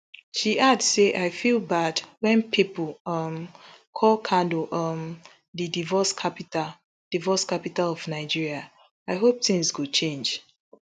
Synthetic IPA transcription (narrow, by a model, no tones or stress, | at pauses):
ʃiʔadseʔaɪfilˠbadwɛ̃npʰipl̩ʌmkʰɔlkʰãndoʔʌm | ðidivɔskʰapita | d̥ivɔskapitalɔvnaɪd͡ʒiɹia | aɪɦop̚θɪ̃ŋzɡut͡ʃʰẽnd͡ʒ